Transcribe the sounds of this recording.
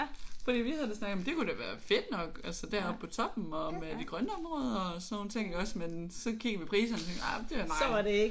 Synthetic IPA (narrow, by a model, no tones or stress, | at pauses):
fɒd̥ḭːʋihæðˠd̥esnɑ̈ɡəɒ̽m̩d̥e̝kud̥e̝ʋæːɐfe̝d̥nɒ̽ɡ̥ælsəd̥æɐɒ̽b̥̚pʰɒ̽t͡sʰɒ̽b̥m̩ɒ̽med̥iɡ̥ʁɶnəɒ̽mʁɔːð̞ˠɐɒsno̝ːnt͡sʰe̝ŋ̰ɒ̽smensɒ̽ɡ̥iɡ̥ɐʋipʰʁḭːsɐnt͡sʰeŋɡ̥ɑmd̥e̝ænɑ̈ɪɒɑde̝eɡ